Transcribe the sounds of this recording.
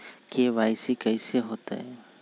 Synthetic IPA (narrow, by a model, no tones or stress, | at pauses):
keʋaːɪsikɐɪseɦoːt̪a̰ɦɛː